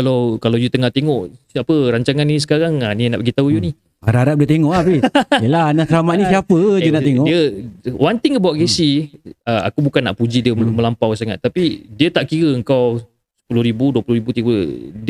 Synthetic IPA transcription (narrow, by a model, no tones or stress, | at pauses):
kalawkalawjut̪əŋaht̪eŋɔʔapəɾaɲt͡ʃaŋanis̬ə̥kaɾaŋanina̰ʔpəɡit̪aujunih | aɾaaɾaʔ̚diət̪eŋɔʔabielanaslamaʔ̪̚ɲĩsiapəd͡ʒunaʔt̪eŋɔʔdiəwant̪ɪŋəbawaʔkesiəa̰kubukanːa̰ʔpud͡ʒidiəməlampawsaŋat̪ːapidiət̪aʔkiɾəəŋkaw | sə̥pulʊhɾibuduəpulʊhɾibut̪ipd